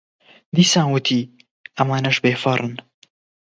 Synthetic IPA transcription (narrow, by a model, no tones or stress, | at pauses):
d̪iːsaːnwɨt̪ʰiː | ʔɐmaːnɐʃbeːfɐrˤɨn